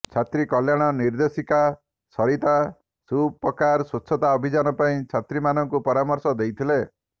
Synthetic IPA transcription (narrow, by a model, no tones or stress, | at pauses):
t͡ʃʰat̪ɾikɔljaɽ̃ɔniɾd̪esika | sɔɾit̪a | supːɔkaɾsut͡ʃʰːɔt̪aɔbʱid͡ʒanɔpaĩt͡ʃʰat̪ɾimanɔŋkupɔɾamɔɾsɔd̪ejt̪ʰile